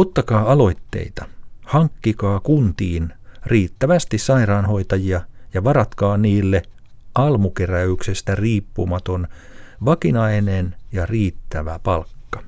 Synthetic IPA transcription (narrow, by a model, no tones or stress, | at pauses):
ot̪ːɑkɑːɑlo̞jt̪ːe̞̰it̪ɑhɑŋkːikɑːkunt̪iːnriːt̪ːæʋæst̪issɑirɑːnho̞it̪ɑjiɑjɑʋɑrɑt̪kɑːniːlːe | ɑlmukeræyksest̪æriːpːṵmɑt̪o̞nʋɑkinɑinenjɑriːt̪ːæʋæpɑlkːɑ̥